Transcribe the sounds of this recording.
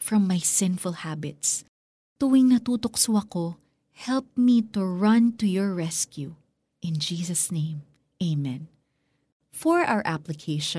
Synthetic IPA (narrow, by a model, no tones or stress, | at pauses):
fɹɐ̃mːajsɪ̃nfʊlˠhabɪt̪s | t̪uwɪŋnɐt̪uːt̪oksuɐko | hɛlp̚mit̪ʊɹɐ̃nt̪ujɔɹːɛskju | ʔɪ̃nd͡ʒiːsɐsnẽɪ̃m | ʔeɪmɛ̃n | fɔɹʔa̰wəɹʔaplɪkʰeɪʃɔ̃